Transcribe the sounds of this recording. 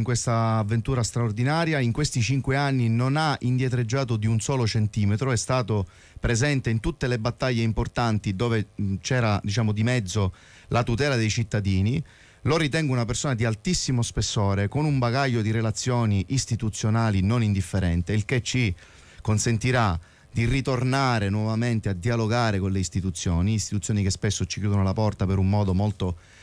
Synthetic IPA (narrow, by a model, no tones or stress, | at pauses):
ŋkwest̪aːvːent̪uːɾast̪ɾaord̪inaːɾjaiŋkwest̪it͡ʃiŋkweanːinonaind̪jet̪̬ɾed͡ʒːaːt̪od̪iunsɔːlot͡ʃent̪iːmet̪ɾoɛst̪aːt̪o | pɾezɛnt̪eint̪ut̪ːelebat̪ːaʎːeimport̪ant̪id̪oːvet͡ʃɛːɾad̪it͡ʃaːmod̪imɛd̪zːo | lʔat̪ut̪ɛːlad̪ejt͡ʃit̪ːad̪iːni | lorit̪ɛŋɡounapersoːnad̪ialt̪isːimospesːoːɾekonumbaɡaʎːod̪iɾelat̪sːjoːniʔist̪it̪ut̪sːjonaːlinonind̪ifːeɾɛnt̪eilk̟et͡ʃːi | konsent̪iɾa | d̪̥irit̪ornaːɾenwɔvament̪ead̪ialoɡaːɾekonleist̪it̪ut̪sːjoːniːst̪it̪ut̪sːjoːnikespesːot͡ʃi̥kjuːd̪onolapɔrt̪apeɾumːɔːd̪omolt̪o